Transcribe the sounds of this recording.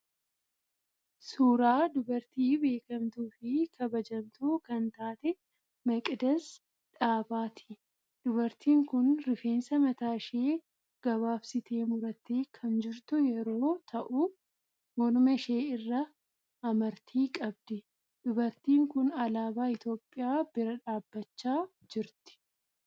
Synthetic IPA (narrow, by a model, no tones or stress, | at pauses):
suːɾaːd̪ʊbɐɾt̪iːbe̞ːkɐmt̪uːfɪkʰɐbɐd͡ʒɐmt̪uːkɐnt̪aːt̪ɛ | mɐkʼɪd̪ɐs | ᶑaːbaːt̪ʰɪ̥ | d̪̥ʊβɐɾt̪iːŋkʊnɾɪfe̞ːnsɐmɐt̪aːʃeː | ɡ̥ɐβaːfsɪt̪ʰeːmʊɾɐt̪ekʰɐnd͡ʒɪɾt̪ʊjɛɾo̞ːt̪ʰɐʔʊ | wɔnʊmɐʃe̞ːɪrːɐː | mɐɾt̪ʰiːkʼɐbd̪ɪ | d̪̥ʊbɐɾt̪iːŋkʊnɐlaːbaːɪt̪jo̞ːpʼːɪjaːb̥ɪɾɐᶑaːbːɐt͡ʃːaː | d͡ʒɪɾt̪ɪ̥